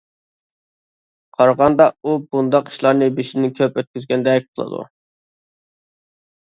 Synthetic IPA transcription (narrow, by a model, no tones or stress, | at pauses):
qʰɑɾʁɑnd̪ɑubund̪ɑqi̥ʃlˠɑɾnɨbeʃɪnɪkʲʰøpøt̪̚kʲyzɡʲɛnd̪ɛkʲqʰəlˠɨ̰d̪ṵ